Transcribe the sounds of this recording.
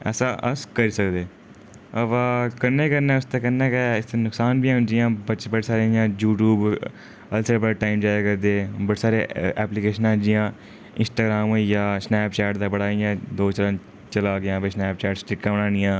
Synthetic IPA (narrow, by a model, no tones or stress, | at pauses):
ɛ̰ːsaːʔəskəɾiːsəkd̪eː | əʋãːkəɾneːkəɾneːʊst̪eːkəɾnẽːkɛɪst̪eːnʊksaːnbʱiːãɦʊ̃nd͡ʒɪjãːbət͡ʃbəɽeːsaːɾeijãːjuːʈuːb | əlseːbəɽeːʈaːimd͡ʒaːjaːkəɾd̪eːbəɽeːsaːɾḛːʔɛːplikeːʃənãːɦnd͡ʒɪjãː | ɪ̰nsʈaːɡɾaːmjaːsnɛːpt͡ʃɛːʈd̪aːbəɽaːijãːd̪oːt͡ʃələn | t͡ʃəlaːɡɪjãːbeːsnɛːp̚t͡ʃɛːʈsʈɪkːaːəɳãːnɪjãː